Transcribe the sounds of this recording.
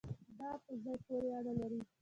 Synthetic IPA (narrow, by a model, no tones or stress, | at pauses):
d̪ɑpəzɑjpoɾeanalaɾi